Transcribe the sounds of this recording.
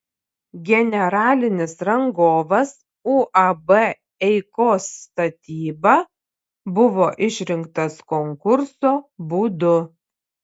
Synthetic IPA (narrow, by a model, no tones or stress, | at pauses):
ɡʲɛnʲɛɾɑːlʲɪnʲɪsɾɐŋɡoːʋɐs | uːʔɐbɛ | ɛɪkoːsːt̪ɐt̪ʲiːbɑ | bʊʋoːʔɪʃʲɾʲɪŋkt̪ɐskɔŋkʊɾsoːbuːd̪ʊ